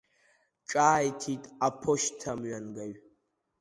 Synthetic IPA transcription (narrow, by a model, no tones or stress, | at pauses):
ʈ͡ʂʼaːjtʰitʼapʰoʃtʰamɥanɡaɥ